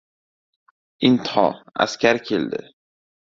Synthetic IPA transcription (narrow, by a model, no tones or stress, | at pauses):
ɪnt̪ʰɒ̰a̰skʲaɾkʲʰeld̪ɪ̰